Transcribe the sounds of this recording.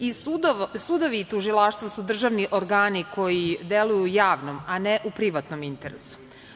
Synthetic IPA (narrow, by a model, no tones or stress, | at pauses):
isud̪sud̪oʋiːt̪uʒilˠaʃt̪ʋasud̪r̩ʒaʋniʔoɾɡaːnikʰo̞jid̪elujujaːʋnomaneʔupɾiʋat̪nomint̪eɾesu̥